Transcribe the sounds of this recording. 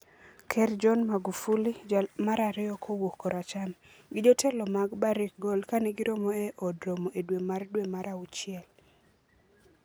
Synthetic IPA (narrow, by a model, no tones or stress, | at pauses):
kʰɛrd͡ʒɔnmaɡufulid͡ʒamaɾaɾɪɔkʰowokoɾat͡ʃam | ɡɪd͡ʒɔtʰɛlɔmaɡbaɾɪk̚ɡolkaneɡɪɾomɔɛʔɔdɾomoʔedwemardwemaɾaut͡ʃɪɛl